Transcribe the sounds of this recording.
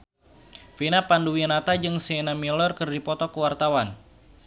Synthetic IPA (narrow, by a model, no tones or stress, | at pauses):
finapanduwianat̪ad͡ʒɨŋsenamilɔrkɨrdipɔt̪ɔkəwart̪awan